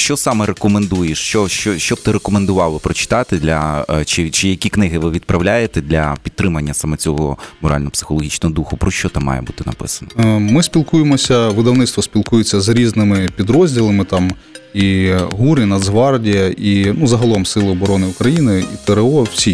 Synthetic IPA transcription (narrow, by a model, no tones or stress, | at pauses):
ʃt͡ʃɔsɑmɛɾekɔmend̪ujeʃt͡ʃɔʃt͡ʃɔʃt͡ʃɔb̚t̪ɪɾekɔmend̪ʊʋɑʋˠɪpɾɔt͡ʃɪ̥t̪ɑt̪ɪd̪lʲɐt͡ʃɪt͡ʃɪjɐkʲiknɪɦɪʋɪʋʲid̪̚pɾʔɐwlʲajet̪ɛd̪ʲlʲɐpʲid̪t̪t̪ːɾɪmɐnʲːɐsɐmɔt͡sʲɔɦɔmɔɾɑ̰lʲnɔɔpsɪ̥xɔlˠɔɦʲit͡ʃnɔɦɔd̪uxʊpɾɔʃt͡ʃɔt̪ɑmɑ̰jɛ̰but̪ɪnɐ̰pɪ̰sɐ̥nɐmɪsʲpʲilˠkujemɔsʲɐʋɪd̪ɐwnɪt̪st̪ʋɔsʲpʲilˠkujet͡sʲːɐzɾʲiznɪmɪpʲid̪ɾɔzʲdʲilˠɐmɪt̪ɑm | iɦuɾɪnɐd̪zɦʋɑrdʲijɐʔinuzɐɦɐlˠɔmsɪlˠɪɔbɔɾɔnɪukɾɐjinɪit̪eɾeɔwsʲi